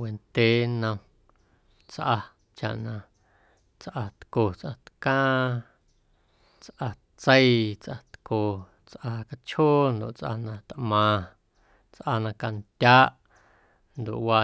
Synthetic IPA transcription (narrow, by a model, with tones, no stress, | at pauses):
we˨nt̪e˦nə̃˧ | t͡sʔa˧ | t͡ʃa̰˨ʔnã˧ | t͡sʔa˧t̪ko˨t͡sʔã˧t̪kãː˦ | t͡sʔa˧ | t͡sə˦i˦t͡sʔa˧t̪ko˨ | t͡sʔa˧ka˧t͡ʃhoː˦nd̪o̰˨ʔt͡sʔa̰˧nã˧t̪mãː˨ | t͡sʔa˧nã˧ka˧nt̪ʲaː˦ʔ | nd̪o̰˨ʔwaː˧